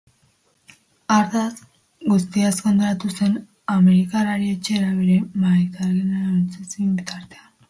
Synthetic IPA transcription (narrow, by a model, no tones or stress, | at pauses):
aɾðas | ɡust̪iaskond̪oɾat̪use̞n | ameɾikaraɾiet͡ʃeɾaβe̞ɾe̞maɾet̪aɾɣenat͡sesimbit̪aɾt̪ean